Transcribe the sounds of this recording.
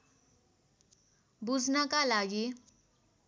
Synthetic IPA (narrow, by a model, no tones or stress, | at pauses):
bud͡zʱnakalaɡi